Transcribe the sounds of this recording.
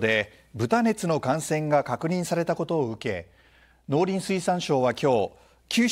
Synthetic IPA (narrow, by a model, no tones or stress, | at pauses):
d̪e̞ | bɯ̟t̪ane̞t͡sɨno̞kãɰ̃sẽ̞ŋɡakakɯ̟ɲ̟ĩɰ̃saɾe̞t̪ako̞t̪o̞ːɯ̟ke̞ | no̞ːɾʲĩɰ̃sɨisãɰ̃ɕo̞ːβakʲo̞ː | kʲʰɨː